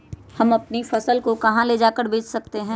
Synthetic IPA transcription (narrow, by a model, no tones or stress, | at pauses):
hɐmɐpnifɐsəlkokɐɦãled͡ʒaːkəɾbeːt͡ʃʰsɐk̚t̪eɦɛ̃ː